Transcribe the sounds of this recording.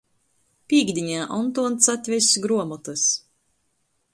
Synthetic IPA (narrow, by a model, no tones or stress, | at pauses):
pʲiːɡd̪ʲiɲʲæːʔɔnt̪uɔnt̪sat̪ʲvʲɛsʲɡɾuɔmɔt̪ɨs